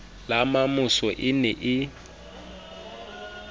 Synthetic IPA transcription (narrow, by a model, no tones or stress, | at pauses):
lamamʊsɔʔɪnɛʔɪ